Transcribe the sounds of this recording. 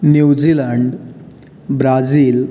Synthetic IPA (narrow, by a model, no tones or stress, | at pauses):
njud͡ʑilaɳɖ | bɾad͡ziːl